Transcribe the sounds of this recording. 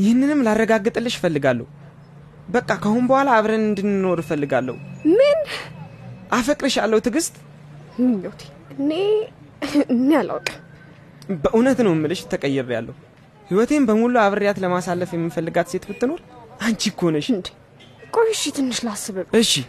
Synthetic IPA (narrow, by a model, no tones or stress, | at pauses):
jɪhɨnːɨnɨmlarːəɡaɡːɨt̪ʼɨlːɨʃfəlːɨɡalːə̰hu | bəkʼːakʰəhunbəhʷalaːβɾənɨnd̪ɨnno̞ɾfəlːɨɡalːə̰humɨn | ʔafəkʼɾɨʃalːəhut̪ʰɨɡɨst̪ʼ | ɨmːilːəwt̪ʰe̥ | ɨne | ɨnːala̰wkʼ | bəʔunət̪nəwɪmːɨlɨʃt̪ʰːəkʼəjːɛɾja̰lːə̰hu | hiwɔt̪ʰe̞mbəmuluaβɾɨɾjat̪ləmasalːəfjɛmːifəlːɨɡat̪se̞t̪bɨt̪ːɨno̞ɾʔant͡ʃikʰːo̞nəʃnd̪ | kʼojɪʃit̪ʰɨnːɨʃlasːɨβəɨʃːi